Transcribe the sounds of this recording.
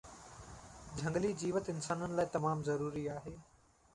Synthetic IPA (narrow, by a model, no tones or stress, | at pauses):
d͡ʑʱɐ̃ŋɡlid͡ʑiːʋət̪ɪnsaːnənɪ̆laːɪt̪ɐmaːmzɐɾuːɾiaːɦeː